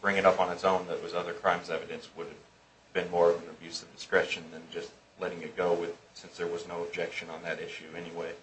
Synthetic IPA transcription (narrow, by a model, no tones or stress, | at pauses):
b̥ɹɪ̃ŋɨɾʌpn̩ɨtsõʊ̃nðɨʔ̚wʌzʌðə˞kʰɹ̥ãɪ̃mzɛvɨɾɨ̃nswʊɾɨv | bɨ̃nmɔɹʌvɨ̃nɨbjʉsʌvdɨskɹɛʃɨ̃nðɨ̃nd͡ʒʌst | lɛɾɪ̃ŋɨt̚ɡ̥oʊwɪð̥sɪ̃nsðə˞wʌznoʊəb̚d͡ʒɛkʃɨ̃nə̃nðɨɾɪʃʉɛniweɪ